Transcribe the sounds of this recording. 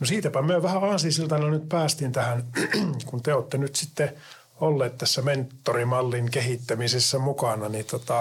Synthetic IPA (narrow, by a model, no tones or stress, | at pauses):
nosiːt̪æpæmyøʋæhæɑːnsisilt̪ɑnolnyt̪̚pæːst̪int̪æhænkunt̪eoːt̪ːenyt̪sit̪ːe | olːeːt̪t̪æsːæment̪ːorimɑlːiŋkehit̪ːæmisesːæmukɑnɑnit̪ot̪ɑ